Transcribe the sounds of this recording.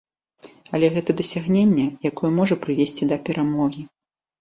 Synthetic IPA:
ɐlʲɛɣɛt̪ɐd̪ɐsʲaɣnʲenʲːɛjakɔjɛmɔʐɐpɾɨvʲesʲt͡sʲid̪ɐpʲɛɾʔamɔɣʲi

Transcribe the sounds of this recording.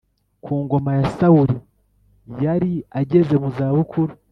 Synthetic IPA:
kʰuːŋɡo̞majasauɾi | jaɾiaɟe̞ze̞muzaːβukʰuɾu

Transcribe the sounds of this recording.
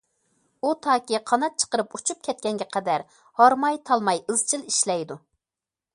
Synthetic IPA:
ut̪ʰɑːkʲiqʰɑnɑt̪̚t͡ʃʰə̥qəɾɨput͡ʃʰup̚kʲʰɛt̪̚kʲɛŋɡʲɛqʰɛd̪æɾ | hɑɾmɑjt̪ʰɑlˠmɑjɨzt͡ʃʰilˠiʃlɛjd̪u

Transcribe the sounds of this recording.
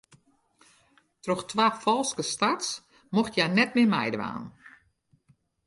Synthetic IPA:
trɔxtʰʋaːfɔlˠskəstats | moxtjanɛt̚mɪəmɛ̰jdəʋa̰ːn

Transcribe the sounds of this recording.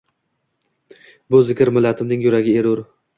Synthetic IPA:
bʊzɪkʲʰɪɾmɪlːat̪ʰɪmnɪŋjʊɾaɡʲɪeɾʊɾ

